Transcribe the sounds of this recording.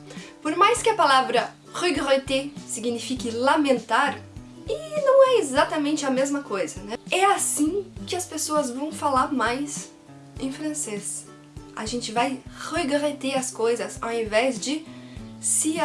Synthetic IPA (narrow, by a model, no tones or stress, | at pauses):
poɾmajskɪɐpalavɾɐ | ʁujɡʁet̪esiɡinifikɪlamẽnt̪aɾ | ɪnɐ̃w̃ɛezat̪ɐmẽnt͡ʃɪɐmezmɐkojzɐnɛɛasĩkɪɐspesoɐzvɐ̃w̃falaɾmajs | ẽj̃fɾɐ̃ses | a̰ʒẽnt͡ʃɪvajhujɡʁet̪eɐskojzɐsawẽvɛzd͡ʒɪ | sɪ